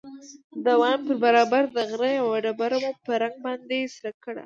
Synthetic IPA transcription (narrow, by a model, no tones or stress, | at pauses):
d̪əwɑmpəɾbaɾɑbaɾd̪əɣɾəawaɖabaɾamupəɾaŋɡ̚bɑnd̪esɾakːəɽa̰